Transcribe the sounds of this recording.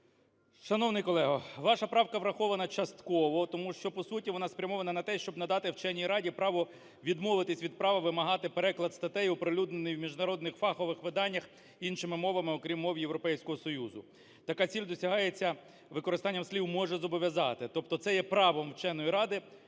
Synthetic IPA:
ʃɐnɔwnɪjkɔlˠɛɦɐʋɑʃɐpɾɑwkɐʋɾɐxɔʋɐnɐt͡ʃɐst̪kɔʋɔt̪ɔmuʃt͡ʃɔpɔsutʲiʋɔn̪ɑspɾʲɐmɔʋɐnɐnɐt̪ɛʃt͡ʃɔbnɐd̪ɑt̪ɪwt͡ʃɛnʲːijɾɑdʲipɾɑʋɔ | ʋʲid̪mɔʋɪt̪ɪsʲʋʲid̪̚pɾɑʋɐʋɪmɐɦɑt̪ɪpeɾɛklˠɐd̪st̪ɐt̪ɛjʊpɾelʲud̪nenɪjwmʲiʒnɐɾɔd̪nɪxfɑxɔʋɪxʋɪd̪ɑnʲːɐx | inʃɪmɪmɔʋɐmɪɔkɾʲimːɔʋʲijewɾɔpɛjsʲkɔɦɔsɔjuzʊ̰ | t̪ɐkɑt͡sʲilʲd̪ɔsʲɐɦɑjet͡sʲːɐ | ʋɪkɔɾɪst̪ɑnʲːɐmsʲlʲiwmɔʒɛzɔbɔʋʲjɐzɑt̪ɪt̪ɔp̚t̪ɔt̪sɛjɛpɾɑʋɔmwt͡ʃɛnːɔjiɾɑd̪ɪ

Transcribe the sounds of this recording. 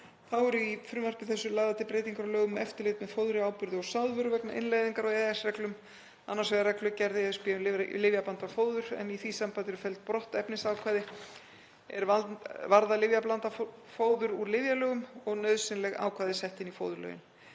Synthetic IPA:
θawɛɾifɾʏːmar̥pɪθɛsːʏlaːðat̪ʰɪlpɾeːjt̪iŋkaɾɔlœːɣʏmːɛft̪ɪɾleːt̪mɛðfoːwðʏɾɪaːwpʏɾðʏɔsawðvœɾʏvɛknaʔɪ̰nlajðiŋkaɾɔɛɛsrɛklʏm | anːaɾsvɛɣrɛklʏcɛɾðɪɛðspɪːʏlɪvjaplant̪afoːwðʏɾ̥ɛ̰niθisampat̪ɛɾʏ̥fɛlt̪̚pɾɔht̪ɛpnɪsaːwkʰvaːðɪ | ɛ̰ɾvavaɾðalɪvjaplant̪a | foːwðʏɾuɾlɪvjalœːɣʏmɔɣnœɥðsɪnlɛɣa̰ːwkʰvaːðɪsɛht̪ɪnifo̰ːwðʏɾlœ̰ːjɪ̰n

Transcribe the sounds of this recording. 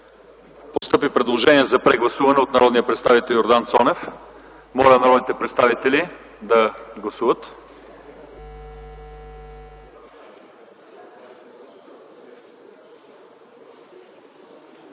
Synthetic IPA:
post̪ɤpipɾɛd̪lˠoʒɛniɛzɐpɾɛɡlˠɐsuvɐnɛot̪nɐɾɔd̪nijəpɾɛt̪st̪avit̪ɛlˠjoɾd̪ant̪sɔnɛf | mɔlʲənɐɾɔd̪nit̪ɛpɾɛt̪st̪avit̪ɛli | d̪ɐɡlˠɐsuvət̪

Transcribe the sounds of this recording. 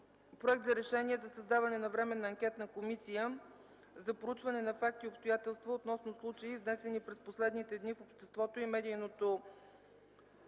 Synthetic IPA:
pɾoɛkt̪zɐɾɛʃɛniɛzɐsəzd̪avɐnɛnɐvɾɛmɛnɐːŋkʲɛt̪nɐkomisijə | zɐpɾout͡ʃvɐnɛnɐfak̚t̪iopst̪ojat̪ɛlˠst̪vəot̪nɔsnoslˠut͡ʃəiznɛsɛnipɾɛsposlɛd̪nit̪ɛd̪nifopʃt̪ɛst̪vɔt̪oimɛd̪ijnot̪o

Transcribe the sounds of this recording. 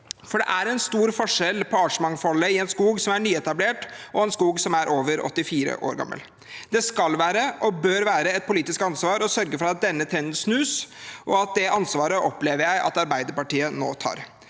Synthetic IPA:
fɔɖɛ̰ʔæɾɛnst̪uːɾfɔʂɛlpʰɔɑʂəmɑŋfɔlːəɪɛnskuːɡsɔmæɳyːɛt̪ɑbleːʈɔɛnskuːɡsɔmæɾʔoːʋəɾʔɔ̰t̪ːɪfiːɾə̰ʔo̰ːɾɡɑ̰mːə̰l | d̪ɛskɑlʋæːɾəʔɔbøːɾʋæːɾəɛt̪̚pʊliːt̪ɪskɑnsʋɑːɾɔsœɾɡəfɔɾɑt̪̚d̪ɛnːət̪ʰɛnsnʉːsʔɔɑt̪̚d̪ɛʔɑnsʋɑːɾəʔɔpleːʋəɾjæɪʔɑ̰t̪ɑɾbæɪd̪əɾpɑʈiːəno̰ːt̪ʰɑ̰ːɾ

